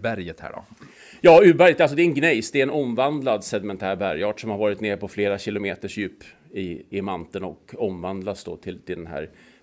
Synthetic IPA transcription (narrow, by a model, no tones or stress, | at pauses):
bæɾjət̪hæ̰ːɖɔ̰ | jɑːʉ̟ːbæɾjət̪als̬ɔd̪ɛɛnɡnɛjsd̪ɛɛnʔɔmvand̪lad̪sɛd̪ɪmɛnt̪ʰæːɾbæɾjɑːʈsɔmhaɾvɑːɾɪt̪neːɾpʰɔfleːɾaɕɪlʊmeːt̪əʂjʉːp | ɪɪmant̪ənɔkɔmvand̪lasd̪o̰ːt̪ʰɪlt̪ʰɪld̪ɛnɦæ̰ːɾ